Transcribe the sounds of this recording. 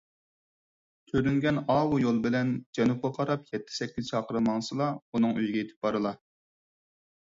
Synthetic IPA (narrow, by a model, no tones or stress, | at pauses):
t̪ʰøɾyŋɡʲɛnɑwujolˠbɪlɛnd͡ʒɛnup̚qɑqʰɑɾɑpjɛt̪ʰːɪ̥sɛkʲːiz̥t͡ʃʰɑːqʰəɾɨmɑŋsɨlˠɑunɨŋyjɡʲɛet̪ʰɪ̥p̚bɑɾɨlˠɑ